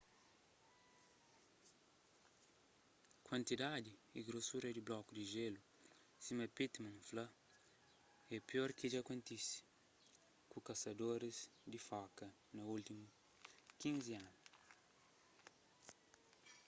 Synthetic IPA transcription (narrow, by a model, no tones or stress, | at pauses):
kwɐ̃nt̪id̪ad̪iiɡɾosuɾɐd̪iblɔkud̪iʒelu | simɐpit̪mɐ̃nflɐ | ɛpioɾkid͡ʒakõnt̪isi̥ | kukɐsɐd̪oɾizd̪ifɔkɐ | nɐult̪imu | kĩnzianu